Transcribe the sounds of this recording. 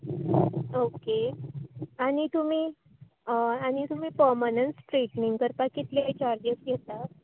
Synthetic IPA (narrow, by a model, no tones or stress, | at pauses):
oke | aɽ̃it̪um̤iː | aɽ̃it̪um̤iːpəmənənsʈɾiʈniŋɡkəɾpakːit̪let͡ɕaɾd͡ʑəsjet̪a